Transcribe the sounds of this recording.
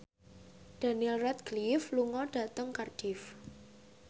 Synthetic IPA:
d̥a̤nilrɛt̪̚ɡ̥lifluŋɔɖ̥ä̤t̪əŋkard̥if

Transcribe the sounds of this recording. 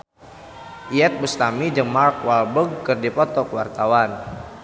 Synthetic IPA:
ʔiɛt̪̚bust̪amid͡ʒəŋmark̚walbəɡkɨrdipɔt̪ɔkwa̰rt̪awan

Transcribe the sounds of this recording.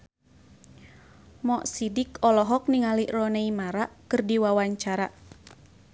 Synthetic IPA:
mɔʔsidikɔlɔɦɔk̚niŋaliʔrɔneimaɾaʔkɨrdiwawaɲt͡ʃaɾaʔ

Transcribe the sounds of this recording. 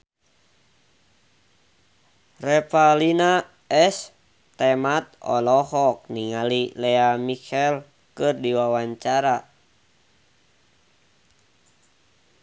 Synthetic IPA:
rɛpalina | ɛs | t̪ɛmat̪̚ɔ̰lɔhɔk̚niŋalilɛamikɛl | kɨrdiwawaɲt͡ʃaɾa

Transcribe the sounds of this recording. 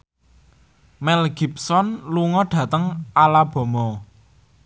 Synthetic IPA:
mɛlɡ̥i̤p̚sɔnluŋɔɖ̥ä̤t̪əŋalab̥ɔ̤mɔ

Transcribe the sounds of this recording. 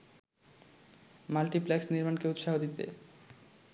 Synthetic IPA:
malʈiplɛksniɾmankeut̪ʃaɦod̪it̪ḛ

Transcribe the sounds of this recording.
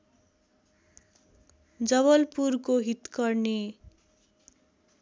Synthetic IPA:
d͡zʌβʌlpurkoɦit̪kʌrne

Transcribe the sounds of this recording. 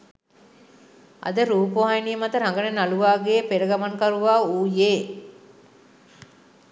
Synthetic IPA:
ɐ̰d̪əɾuːpoʋajnijəmat̪əɾaŋɡənenaluʋaːɡeːpeɾəɡamaŋkaɾuʋaːuːjeː

